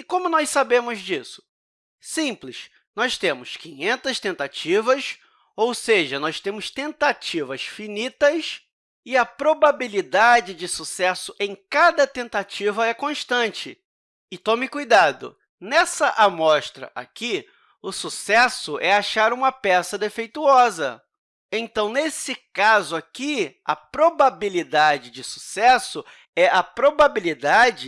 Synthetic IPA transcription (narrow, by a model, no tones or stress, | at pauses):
ɪkõmʊnɔssabẽmʊzd͡ʒisʊ̥ | sĩplɪs | nɔst̪ẽmʊskĩɲẽnt̪ɐst̪ẽnt̪at͡ʃivɐs | owseʒɐnɔst̪ẽmʊst̪ẽnt̪at͡ʃivɐsfinit̪ɐs | ɪɐpɾobabilid̪ad͡ʒɪd͡ʒɪsusɛsʊʔẽj̃kad̪ɐt̪ẽnt̪at͡ʃivɐɛkõʃt̪ɐ̃nt͡ʃɪ | ɪt̪õmɪkujd̪ad̪ʊ̰ | nɛsɐʔamɔʃt̪ɾɐ̰ʔa̰ki | ʊsusɛsʊʔɛaʃaɾũmɐpɛsɐd̪efejt̪uɔzɐ̰ | ẽt̪ɐ̃w̃nesɪkazʊakiɐ̰pɾobabilid̪ad͡ʒɪd͡ʒɪsu̥sɛsʊ | ɛʔɐpɾobabilid̪ad͡ʒɪ